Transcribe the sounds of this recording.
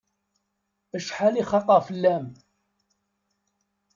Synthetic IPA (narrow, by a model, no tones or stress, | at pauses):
əʃħaliχɑqəʁfəlːæm